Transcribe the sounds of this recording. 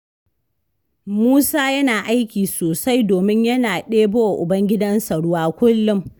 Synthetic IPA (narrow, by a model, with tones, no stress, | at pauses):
muː˦saː˦jɐ˦naː˨ʔa˦jkʲiː˨soː˨sa˦jdoː˨mɪ˦ɲjɐ˦naː˨ɗeː˦boː˦wa˨ʔʊ˨bɐ˦ŋɡʲɪ˦dɐ˦nsɐ˨ɽʊ˦waː˦kʷʊ˦lːʊ˦m